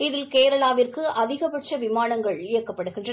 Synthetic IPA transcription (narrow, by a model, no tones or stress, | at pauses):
ɪðɪlkeːɾɐɭaːʋɪrkɯɐðɪɣɐpɛʈ̚t͡ʃɐʋɪmaːnɐŋɡɐɭɪjɐkːɐpːɐɽɯɣɪndrɐ